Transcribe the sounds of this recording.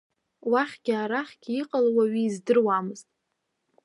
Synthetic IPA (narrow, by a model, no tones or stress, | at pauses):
waχʲɡʲɪaɾaχʲɡʲiqʼalwaɥiːzdɨrwamɨztʼ